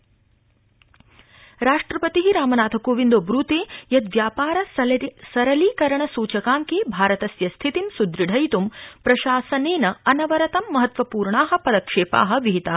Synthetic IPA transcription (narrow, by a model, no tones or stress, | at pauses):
ɾaːʂʈɾɐpɐt̪iɦiɾaːmɐnaːt̪ʰɐkoːʋind̪oːbɾuːt̪eːjɐt̪ʋjaːpaːɾɐssɐɾɐliːkɐɾɐɳɐsuːt͡ʃɐkaːŋkeːbʱaːɾɐt̪ɐsjɐst̪ʰit̪insud̪ɾiɖʱɐjt̪umpɾɐʃaːsɐneːnɐɐnɐʋɐɾɐt̪ɐmːɐɦɐt̪ʋɐpuːɾɳaːɦɐ̆pɐd̪ɐkʂeːpa̰ːɦɐ̆ʋiɦit̪aː